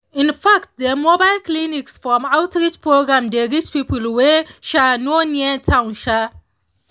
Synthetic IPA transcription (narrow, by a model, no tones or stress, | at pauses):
ɪ̃nfakt̚d̪ɛmobajlkliniksfɔmawtɾɪt͡ʃpʰɹoɡɾamdeɡit͡ʃpipulweʃanoniatʰawnʃa